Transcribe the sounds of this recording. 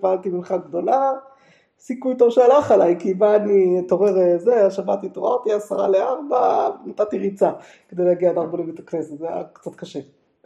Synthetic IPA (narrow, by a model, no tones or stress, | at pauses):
valt̪iminχaɡd̪o̞la | sikujt̪ovʃealaχalajkibaːnit̪o̞ʁeʁezeaʃavat̪it̪oaʁt̪iasaʁa̰leaʁbanat̪at̪iʁit͡sa | ked̪ejleaɡiadaʁbolimet̪akneset̪zea̰kt͡sat̪kaʃe